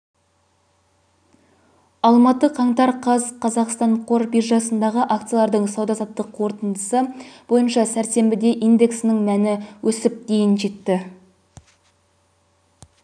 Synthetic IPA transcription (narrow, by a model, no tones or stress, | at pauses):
ɑlˠmɑt̪əqʰɑɴt̪ɑɾqʰɑzqʰɑzɑqst̪ɑɴqʰo̞ɾbiʒɑsənd̪ɑʁəʔakt̪sɨjalˠɑɾd̪əɴsɑwd̪ɑsɑt̪ːəqʰːwo̞ɾt̪ənd̪əsəb̥o̞jənʃɑsæɾse̞mbɪd̪e̞ʔijnd̪e̞ksnɪŋmænɪwʔɵsɪp̚d̪e̞jɪnʒe̞t̪ːɪ